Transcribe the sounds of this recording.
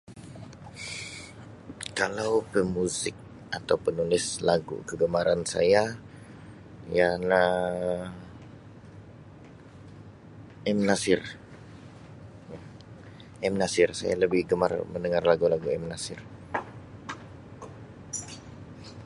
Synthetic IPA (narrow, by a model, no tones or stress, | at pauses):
kalawpəmuzɪk̚ | at̪awpənulɪslaɡṵkəɡəmaɾansa̰ja | jana | ɛmnasɪr | ɛmnasɪrsa̰ja̰ləbɪhɡəmarməndəŋarlaɡulaɡuɛmnasɪr